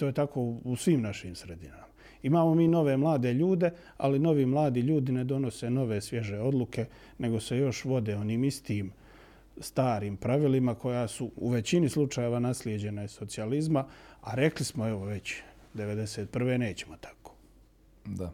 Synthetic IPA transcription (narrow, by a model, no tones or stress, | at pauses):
t̪oːjet̪ako̞ːusʋiːmnaʃiːmsɾed̪inama | imaːmo̞miːno̞ʋe̞mlˠaːd̪eʎuːd̪e̞ | a̰lino̞ʋimlˠaːd̪iʎuːd̪ine̞d̪o̞no̞se̞no̞ʋe̞sʋʲje̞ʒe̞o̞d̪lˠuke̞ | ne̞ɡo̞se̞jo̞ʃʋo̞d̪eo̞niːmist̪iːm | st̪aːɾiːmpɾaʋilimakʰo̞jasuṵʋe̞t͡ɕinislˠut͡ʃaje̞ʋanasljed͡ʑe̞naiso̞t̪sializmaaɾe̞klismoe̞ʋoʋe̞t͡ɕd̪eʋe̞d̪e̞seːt̪̚pr̩ʋe̞ːne̞ːt͡ɕemot̪ʰḁko̥ː | d̪a